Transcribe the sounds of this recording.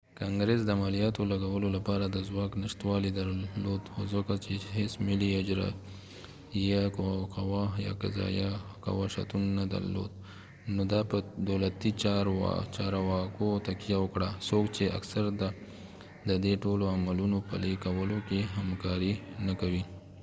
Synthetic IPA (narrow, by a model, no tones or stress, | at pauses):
kɑŋɡɾesd̪əamalijɑt̪olaɡawəlolapɑɾad̪əzwɑknɪʃt̪wɑlid̪aɾlod̪xozəkat͡ʃehesmɪliad͡ʒɾa̰ | jakkawɑjɑ̰ka̰zɑ̰jaka̰wɑʃa̰t̪unːad̪a̰ɾlo̰d̪̚ | nod̪ɑpəd̪awlat̪it͡ʃɾ̰t͡ʃɑɾawɑkot̪akijawəkɽasokt͡ʃea̰ksaɾd̪a | d̪əd̪eʈoloamalunopə̰lekawəlokeɦamkɑɾinakawi